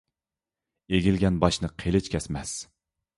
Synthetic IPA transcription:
eɡʲilɡʲɛnbɑʃnɨqʰelɪt͡ʃkʲʰɛsmɛs

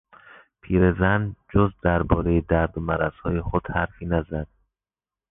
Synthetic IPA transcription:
pʰiːɾezænd͡ʒozd̪æɾbɒːɾejed̪æɾd̪omæɾæzhɒːjexod̪̥hæɾfiːnæzæd̪̥̚

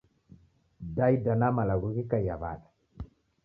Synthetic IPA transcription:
dajdanamalaɡuɡikajava̰ɗa

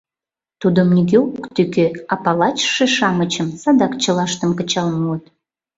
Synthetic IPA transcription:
t̪ud̪omnʲiɡʲøukt̪ykøɑpɑlɑt͡ɕʃeʃɑmət͡ɕəmsɑd̪ɑkt͡ɕə̆lɑʃt̪əmkət͡ɕɑlmuət̪̚

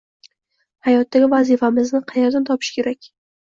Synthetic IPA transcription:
hajɒt̪ːaɡʲɪvazifamɪznɪqʰɑjeɾd̪ant̪ʰɒpʰɪ̥ʃkʲʰe̞ɾakʲ

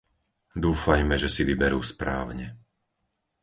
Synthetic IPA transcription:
d̪uːfajmɛʒɛsiʋibɛɾṵːspɾa̰ːʊɲɛ

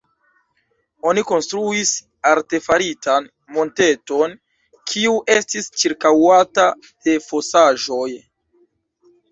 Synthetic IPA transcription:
o̞niko̞nstɾuis | aɾte̞faɾitan | mo̞nte̞to̞n | kʰiuʔe̞stist͡ʃiɾkawata | d̥e̞fo̞saʒo̞j

